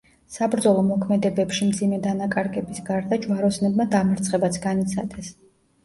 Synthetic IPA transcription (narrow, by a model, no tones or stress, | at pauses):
sabɾd̪zɔlˠɔmɔkʰmɛd̪ɛbɛpʃimd̪zimɛd̪anakʼaɾɡʼɛbisɡaɾd̪ad͡ʒvaɾɔsnɛbmad̪amɛɾt̪sʰχɛbat̪sʰɡanit̪sʰa̰d̪ɛs